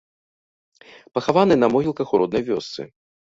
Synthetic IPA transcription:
pɐxavanɨnɐmɔɣʲilˠkɐxuɾɔd̪̚nɐjvʲɔst̪sɨ̰

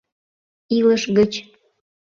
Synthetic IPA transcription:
iləʃɣət͡ɕ

